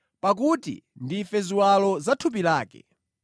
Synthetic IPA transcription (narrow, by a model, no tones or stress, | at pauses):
pak̬utḭndifɛziwalɔzatʰup̬ilaːkɛ̰